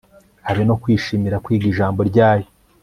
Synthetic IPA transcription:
haβino̞kwiːʃiːmiɾakwiːɡiʒaːmbo̞ɾɟaːjo

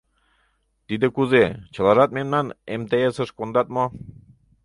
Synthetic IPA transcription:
t̪id̪ɘ̆kuzet͡ɕɤ̆lˠɑʒɑt̪̚memnɑnemt̪ejesɤ̆ʃkond̪ɑt̪̚mo

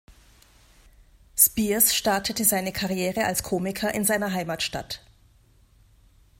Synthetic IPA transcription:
spiːsʃtaɐtʰətəzaɪnəkʰaʁjeːʁəʔalskʰoːmɪkʰɐʔɪnzaɪnɐɦaɪmaːtʃta̰t

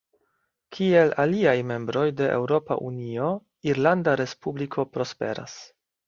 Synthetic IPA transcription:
kʰie̞laliajme̞mbɾo̞jde̞ʔḛwɾo̞pa̰ʔunio̞ | iɾlandaɾe̞spublikʰo̞pɾo̞spe̞̰ɾa̰s

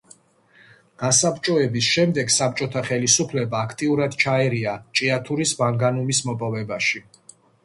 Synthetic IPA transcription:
ɡ̥asapt͡ʃʼɔɛbisʃɛmd̪ɛɡsap̚t͡ʃʼɔt̪ʰaχɛlisupʰlɛbaːkʰt̪ʼiuɾad̪t͡ʃʰaɛɾiat͡ʃʼiat̪ʰuɾisbaŋɡanumismɔpʼɔvɛbaʃi

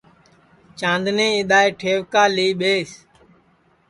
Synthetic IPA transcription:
t͡ʃãːnd̪nẽːɪɗ̪aːeːʈʰeːʋkaːliːɓeːs

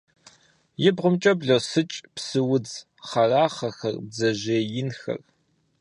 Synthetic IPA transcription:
jɪbʁʷʊmt͡ʃʼɐbɮosɨt͡ʃʼpsɨwʊd͡z | χɐraːχɐxɐ̰rbzɐʑeːjɪnxɐ̰r

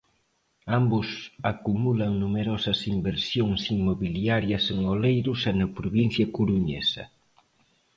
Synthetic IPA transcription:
ambʊsakumulɐŋnumeɾɔsɐsimbeɾsjoŋsimmːoβiljaɾjɐseŋolejɾusɛnɐpɾoβin̟θjɐkuɾuɲɛ̰sɐ̰

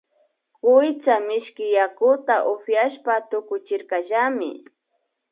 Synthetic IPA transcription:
kʊjt͡samɪʃkɪjakʊt̪aʔʊfjaʃpat̪ʊkʊt͡ʃɪɾkaʒamɪ̰

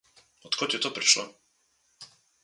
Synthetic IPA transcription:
ɔt̪kɔc̪ɛt̪ɔpɾiʃlɔ̰

